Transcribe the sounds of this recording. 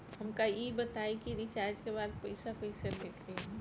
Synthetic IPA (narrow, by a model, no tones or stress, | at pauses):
ɦɐmkaibɐt̪aːikiɾɪt͡ʃaːɾd͡ʒkebaːd̪̚pɐɪsapɐɪsəɾd̪eːkʰɾe